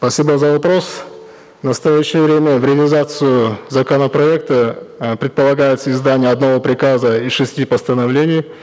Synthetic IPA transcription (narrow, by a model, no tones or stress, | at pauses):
spɐsʲibəzəvɐpɾo̞s | nəst̪ɐjæɕːɪjəvɾʲemʲəvɾʲɪɐlʲɪzat̪sɨjʊzɐkənəpɾɐek̚t̪əpɾʲɪt̪̚pəlˠɐɡajɪt̪səɪzd̪anʲɪjəɐd̪nɐvo̞pɾʲɪkazəiʂɨsʲtʲipəst̪ənɐvlʲenʲɪj